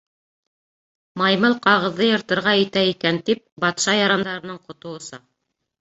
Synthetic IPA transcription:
mɑjmɤlˠqɑʁɤ̆ðːɤjɤ̆ɾt̪ɤ̆ɾʁɑɘ̆t̪æikænt̪ip̚bɑt̪ʃɑjɑɾɑnd̪ɑɾɤ̆nɤɴqŏt̪ŏwɤ̆sɤ

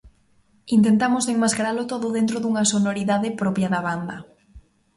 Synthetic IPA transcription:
int̪̬ent̪amʊseŋmaskaɾalʊt̪oðʊðent̪ɾoðuŋɐsonoɾiðaðɪpɾɔpjɐðɐβand̪ɐ

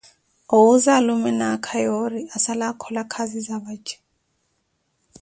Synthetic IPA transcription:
ouzalumɛnakʰajɔriasalakʰɔlakʰazizaβat͡ʃɛ̥

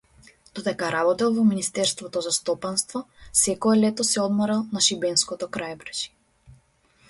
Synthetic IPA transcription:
d̪̥ɔd̪ɛkaɾabɔt̪ɛlˠvɔminist̪ɛɾst̪vɔt̪ɔzast̪ɔpanst̪vɔ | sɛkɔɛlɛt̪ɔsɛɔd̪mɔɾalˠnaʃibɛnskɔt̪ɔkɾajbɾʒi̥

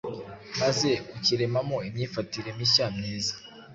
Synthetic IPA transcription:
maze̞kuciɾe̞mamo̞imɲiːfatiɾe̞miʃaːmneːzḁ

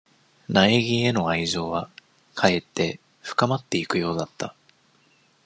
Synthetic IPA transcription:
naeɡʲie̞no̞aizo̞ːβa | kʰae̞t̪ːe̞ | ɸɯ̟̥kamat̪ːe̞ikɯ̟jo̞ːd̪at̪ːa

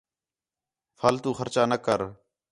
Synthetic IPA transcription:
fʰaːlt̪uːxəɾt͡ʃaːnəkəɾ

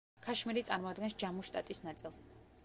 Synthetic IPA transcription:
kʰaʃmiɾit̪sʼaɾmɔad̪ɡɛnsd͡ʒamɔʃt̪ʼat̪ʼisnat̪sʼilˠs

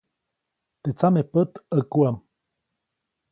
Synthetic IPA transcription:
t̪et͡samepət̪əkuam

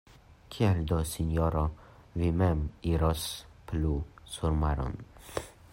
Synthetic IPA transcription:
kʰiɛld̪osinjoɾo | vimɛmiɾɔsplusuɾmaɾɔ̰n

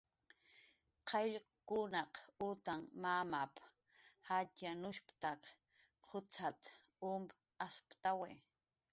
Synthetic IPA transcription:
qʰɑʎ | kʊnɑqʊt̪aŋmamap | hatjanʊʃpt̪aq | qʰʊt͡sʰat̪ | ʊmp | aspt̪awe

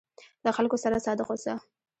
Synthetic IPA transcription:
laxalkosaɾasɑd̪ɪqosa

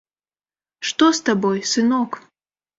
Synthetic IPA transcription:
ʂt̪ɔst̪abɔjsɨnɔk

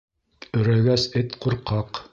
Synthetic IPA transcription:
ɵ̆ɾæɡæsɘt̪quɾqɑq

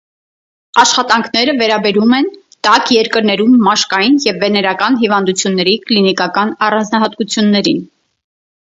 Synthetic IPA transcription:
ɑʃχɑt̪ɑŋkʰnɛɾəvɛɾɑbɛɾumɛn | t̪ɑkjɛɾkəɾnɛɾumːɑʃkɑjinjɛvːɛnɛɾɑkɑnɦivɑnd̪ut͡sʰjunːɛɾiklinikɑkɑnɑrɑnd͡znɑɦɑt̪kut͡sʰjunːɛɾin

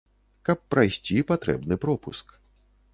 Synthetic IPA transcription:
kɐpːɾajsʲt͡sʲipat̪ɾɛ̰bnɨpɾɔpusk

